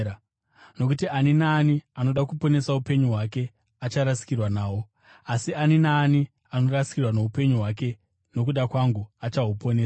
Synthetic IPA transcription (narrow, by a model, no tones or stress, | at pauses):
no̞k̬utiʔaninaːniano̞ɗakupo̞ne̞saupe̞ɲuɦwak̬e̞ | at͡ʃaɾasi̥kirwanaːwo̞ | asianinaːni | ano̞rasi̥kirwano̞upe̞ɲuɦwak̬e̞ | no̞k̬uɗakwaŋɡuat͡ʃaɦupo̞neː